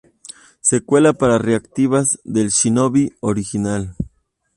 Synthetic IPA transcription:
sekwelapaɾareakt̪iβazðelʃinoβioɾixinal

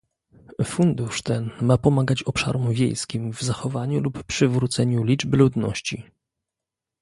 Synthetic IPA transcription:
fund̪uʂt̪ɛnmapɔmaɡat͡ɕɔpʂa̰ɾɔmvʲjḛjskʲimvzaxɔvaɲulupːʂɘvɾut̪sɛɲulʲid͡ʐbɘlud̪nɔ̰ɕt͡ɕi

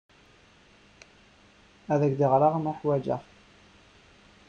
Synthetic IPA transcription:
æðæɡd̪iʁɾɑʁmaħwæd͡ʒə̰ʁ

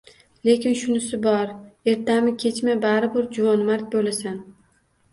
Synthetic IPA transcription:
le̞kʲɪnʃʊnɪsɪbɒɾe̞ɾt̪amɪkʲʰe̞t͡ʃmabaɾɪbʊɾd͡ʒʊvɒnmaɾt̪̚bolasan

